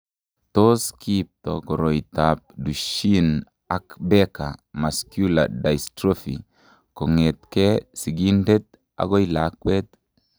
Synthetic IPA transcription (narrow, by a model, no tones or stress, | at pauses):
toskip̚tokoɾojtap̚duʃin | akbeka̰maskjula̰dajstɾofḭ | koŋet̪kesiɡindet̪̚ | a̰ɡojlakwet̪